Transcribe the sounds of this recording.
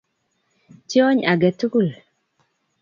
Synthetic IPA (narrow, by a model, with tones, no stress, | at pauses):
ti˦ɔ˦ɲa˨ɡɛ˨tu˦ku˦˨l